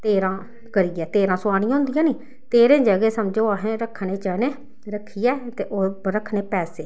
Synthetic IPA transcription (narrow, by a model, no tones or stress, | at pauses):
t̪eːɾãː | kəɾiːɛːt̪eːɾãːsʊaːɽ̃ĩːãːɦʊ̃nd̪ijãːniː | t̪eːɾẽːd͡ʒəɡeːsəmd͡ʒoːaːɦẽːɾəkʰneːt͡ʃəːneː | ɾəkʰːiːjɛːt̪eːʔoːɾəkʰneːpɛːseː